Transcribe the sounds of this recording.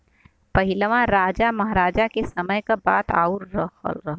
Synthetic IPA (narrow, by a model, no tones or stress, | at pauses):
pəɦɪlʋãɾaːd͡ʒamɐɦɾaːd͡ʒakesəməjkabaːt̪a̰ːuɾɾəɦə̰lɾəɦ